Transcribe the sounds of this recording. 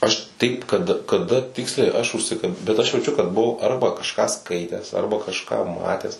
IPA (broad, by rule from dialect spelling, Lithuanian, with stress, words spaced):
ˈɐʃ ˈtɐɪp kɐt kɐˈdɐ ˈtʲɪksʲlʲɛɪ ˈɐʃ ʊʃʲˈsʲɪkɐ bʲɛt ˈɐʃ jɛʊˈt͡ʃʲʊ kɐt bʊˈʋɐʊ ˈɐrbɐ kɐʃˈkɑː ˈskɐɪtʲæːs ˈɐrbɐ kɐʃˈkɑː ˈmɑːtʲæːs